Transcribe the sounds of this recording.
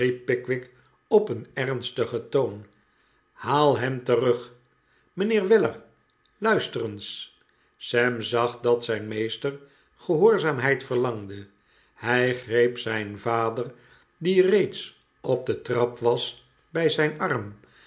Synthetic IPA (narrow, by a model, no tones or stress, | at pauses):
ipːɪkʋɪk | ɔpənɛrnstəχətown | haːlˠɦɛmtərɵχ | mənɪːɹʋɪləɹ | lœɥstərəns | sɛmzɑχdɑtsɛjnmejstər | χəɦoːɹzaːmɦɛjtfəɹlɑŋdə | hɛjχrejpsɛjnvaːdər | direjts | ɔb̚d̪ətrɑpʋɑs | bɛjzɛjnɑrm